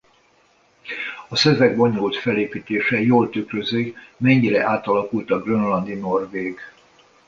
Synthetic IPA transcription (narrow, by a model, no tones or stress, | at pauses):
ɒsɛvɛɡ̚bo̞ɲult̪fɛleːpiːt̪eːʃɛjoːlt̪ykrøzikmɛɲːiɾɛʔaːt̪ɒlɒkult̪ɒɡrønlɒnd̪ino̞rveːɡ